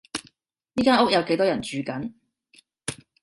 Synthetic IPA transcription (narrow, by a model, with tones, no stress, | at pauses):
jiː˥kaː˥nʊ˥k̚jɐ˨˧wke˨˥jt̪ɔː˥jɐ˨˩nt͡ʃyː˨˧kɐ˨˥n